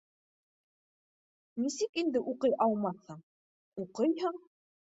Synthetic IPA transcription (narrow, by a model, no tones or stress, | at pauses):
nisɘkind̪ɘʔuqɤjʔɑlˠmɑθhɤɴ | uqɤjɦɤɴ